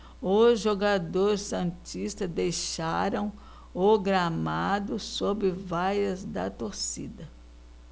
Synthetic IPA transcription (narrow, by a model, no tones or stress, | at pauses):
ʊzʒoɡad̪oɾɪssɐ̃t͡ʃist̪ɐzd̪ejʃaɾɐ̃w̃ | oɡɾamad̪ʊsobɪvajɐzd̪ɐ̰t̪oɾsḭd̪ɐ